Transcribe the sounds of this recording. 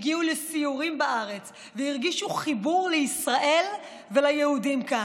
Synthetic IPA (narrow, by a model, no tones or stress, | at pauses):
ɡiulesiuʁimbaʔaʁe̞t͡s | veiʁɡiʃuχibuʁleisʁaʔe̞l | velajehudimka